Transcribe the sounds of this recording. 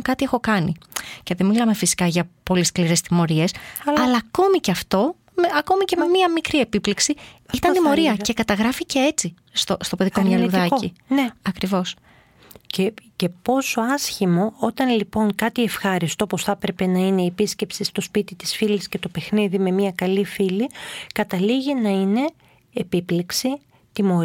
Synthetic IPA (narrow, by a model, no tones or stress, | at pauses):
kɐt̪ie̞xo̞kɐnḭce̞ðe̞milɐme̞fisi̥kɐʝɐpo̞liskliɾe̞st̪imo̞ɾie̞sɐlɐːko̞miceɐft̪o̞ | meɐko̞mice̞me̞miɐmikɾie̞pipleksiit̪ɐnt̪imoɾiɐce̞kɐt̪ɐɣɾɐfice̞e̞t͡si | st̪ost̪o̞pe̞ðikomɲɐluðɐineɐkɾivo̞s | cece̞po̞so̞ɐsçimo̞ot̪ɐnlipo̞ŋkɐt̪ie̞fxɐɾist̪ooposθɐpɾe̞pe̞nɐine̞iepisce̞psist̪o̞spit̪it̪i̥sfilisce̞t̪o̞pe̞xniðime̞miɐkɐlifilikɐt̪ɐliʝinɐine̞ː | pipliksi | t̪imo̞ɾ